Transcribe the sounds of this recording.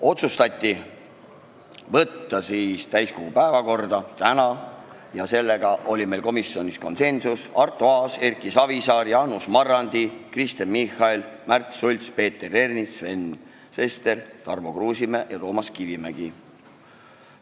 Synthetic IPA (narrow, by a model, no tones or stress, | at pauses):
o̞t̪sust̪ɑt̪ʲːi | vɤt̪ːɑsiːst̪æjsko̞ɡ̥upæevɑko̞rd̪ɑt̪ænɑ | jɑse̞lːeɡ̥ɑʔo̞lʲime̞jlko̞misːio̞nʲisko̞nse̞nsusɑrt̪ːˑuɑːserkːˑisɑvisɑːɾjɑnusmɑrːɑnd̪̥ikrist̪enmihɑilmært̪sulʲt̪spe̞ːt̪ːere̞rnisve̞n | se̞st̪e̞rt̪ɑrmokruːsimejɑt̪o̞ːmɑskivimæɡ̥i